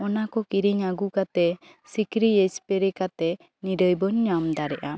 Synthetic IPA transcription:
ɔnakɔkiɾiɲaɡukat̪ɛ | sikɾiespɛɾɛkat̪ɛ | niɾəjbɔɲːamd̪aɾɛʔa

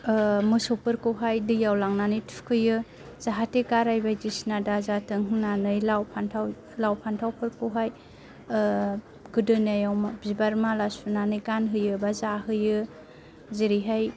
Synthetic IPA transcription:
mɯsopɯɾkɯwɦajdɯjawlaŋnanɯjtʰukʰɯjɯ | z̥aɦatekaɾajbajdisnadazatʰɯŋɦɯnanɯjlawpʰantʰaw | lawpʰantʰawpʰɯɾkɯwɦaj | ɡɯdɯnajawmabzibaɾmalasunanɯjɡanɦɯjɯbazaɦɯjɯ | ziɾiɦaj

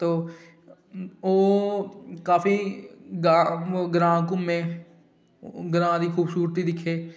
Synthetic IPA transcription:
t̪oː | oː | kaːfiɡaɡɾãːkʊmːẽ | ɡɾãːɾixʰuːbsuːɾt̪id̪ɪkʰeː

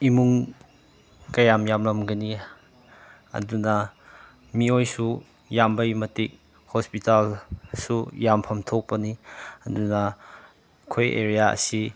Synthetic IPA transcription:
imuŋ | kɐjamjamlɐmɡɐni | ɐ̰dunɐ | miojsu | jambɐjmɐtik̚ | hospitalsujampʰɐmtʰok̚pɐniɐdunɐ | kʰojḛɾijaɐ̰si

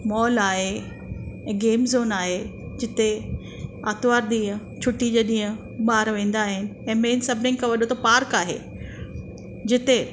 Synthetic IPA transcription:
mɔːlaːɦe | ɛ̃ːɡeːmzoːnaːɦed͡ʑɪt̪e | aːt̪ʋaːɾɗ̪ĩːɦə̃ | t͡ɕʰʊʈːid͡ʑeːɗĩːɦə̃ | ɓaːɾʋẽːn̆d̪aːɦɪnɪ̆ɛ̃ːmẽːnsɐbʱnɪ̃ŋɡkʰãʋɐɗot̪ʰopaːɾkaːɦḛ | d͡ʑɪt̪e

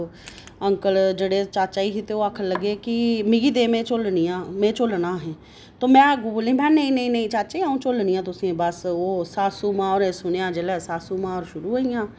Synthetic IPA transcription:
əŋkəld͡ʒeɽeːt͡ʃaːt͡ʃaːiːkit̪eoːaːkʰələɡeːkɪmɪɡiːd̪eːmẽːt͡ʃolnijãːmẽːt͡ʃolnaːɦɛ̃ː | t̪oːmɛ̃ːɡubolẽːbɛ̃ːnəĩːnəĩːnəĩːt͡ʃaːt͡ʃaiaːũːt͡ʃolnijãːt̪ʊsĩbəsoːsaːsuːmãːɔːɾẽːsʊnejãːd͡ʒelɛːsaːsuːmãːɔːɾʃʊɾuːɦoːijãː

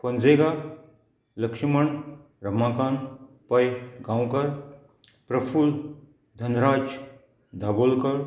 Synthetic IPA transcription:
pɐnd͡zeːɡa | lɐkʂimɐɳ | ɾɐmaːkaːn | pɐjɡaːwkɐɾ | pɾɐpʰul | d̪ʱɐnɾaːd͡ʒ | d̪ʱaːbolkɐɾ

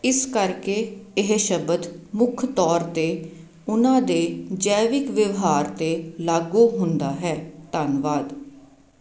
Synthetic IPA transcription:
ɪskəɾkeːɪɦʃəbət̪mʊkʰt̪ɔːɾt̪eː | ʊnãːd̪eːd͡ʒɛːʋɪkʋɪʋɦaːɾt̪eːlaːɡuːɦʊnd̪aːɦɛːt̪anʋaːd̪

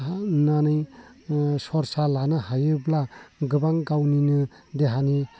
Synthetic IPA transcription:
nanɯj | sɔɾsalanɯhajɯblaɡɯbaŋɡawninɯ | d̪eɦani

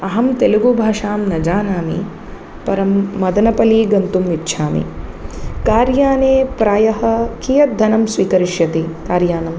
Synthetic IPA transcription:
ɐɦɐmt̪eluɡoːbʱaːʂaːmnɐd͡ʒaːnaːmḭ | pɐɾɐmːɐd̪ɐnɐpɐliːɡɐnt̪umʋitːʃʰaːmḭ | kaːɾjaːneːpɾaːjɐɦɐ̆kijɐd̪ʱɐnɐmsʋiːkɐɾiʃjɐt̪ikaːɾjaːnɐm

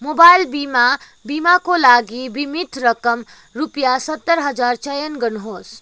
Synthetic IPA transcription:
moːbaːɪlbiːma | biːmakolaːɡibimɪt̪ʰɾəkəm | ɾupjasət̪ːəɾɦəd͡ʒaːɾt͡ʃəjənɡənɦoːs

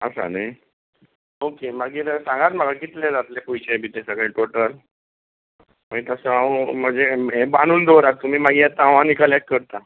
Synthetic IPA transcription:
əsa̰naj | okemaɡiːɾsãŋɡat̪maɡakit̪led͡zat̪lepujt͡ɕebʱiːt̪ẽsəɡɭeʈoʈəl | m̤əit̪əsəam̤əd͡zeebaɽ̃uːnd̪oɾak̚t̪um̤iːmaɡiːɛt̪ãʋãnikalɛk̚kəɾt̪a

